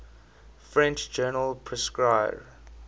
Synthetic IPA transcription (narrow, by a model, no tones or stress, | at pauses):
fɹɛ̃nt͡ʃd͡ʒɜːnəlpʰɹɛskɹaɪɹ